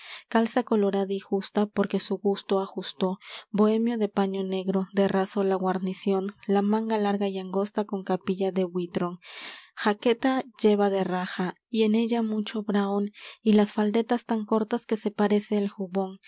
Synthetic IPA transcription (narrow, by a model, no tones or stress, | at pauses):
kalsako̞lo̞ɾaðaixust̪apo̞ɾke̞suɣust̪oaxust̪o̞bo̞e̞mjo̞ðe̞paɲo̞ne̞ɣɾo̞d̪eraso̞laɣwaɾnisjo̞nlamãŋɡalaɾɣaiaŋɡo̞st̪ako̞ŋkapiʝaðe̞βwit̪ɾoŋxake̞t̪aʝe̞βaðeraxa | ie̞ne̞ʝamut͡ʃo̞βɾaonilasfald̪e̞t̪ast̪aŋko̞ɾt̪aske̞se̞paɾe̞seːlxuβo̞ŋ